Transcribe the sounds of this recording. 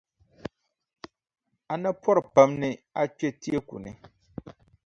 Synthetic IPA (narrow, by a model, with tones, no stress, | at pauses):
a˨na˦pʰɔ˦ɾɨ˨pa˨˦mnɨ˦a˦k͡pɛ˦ti˦e˦kṵ˨nɨ˨